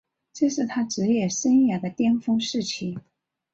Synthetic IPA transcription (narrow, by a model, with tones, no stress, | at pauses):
ʈ͡ʂɤ˥˧ʂɻ̩˥˩t̪ʰa˥ʈ͡ʂɻ̩˧˥jɛ˥˩ʂə˥njɛ˥˩d̪ə˧t̪jɛ˥nfɤ˥ŋʂɻ̩˥˩t͡ɕʰi˧˥˩